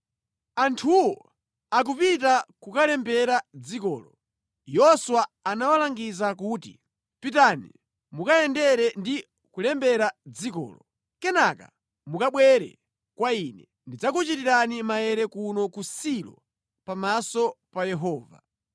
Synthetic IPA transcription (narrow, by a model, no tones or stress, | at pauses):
antʰuwɔ | ak̬upit̬akukalɛmbɛɾad͡zikɔ̰ːlɔ | jɔswaːnawalaŋɡizakuːtḭ | pitanḭ | mukaɛndɛɾɛndi | kulɛmbɛɾad͡zikɔ̰ːlɔ | kɛnaka̰ | mukaɓwɛɾɛ̰ | kwainɛ | ndid͡zakut͡ʃitiɾanimajɛɾɛkunɔkusilɔ̰ | pamasɔpajɛɦɔːva̰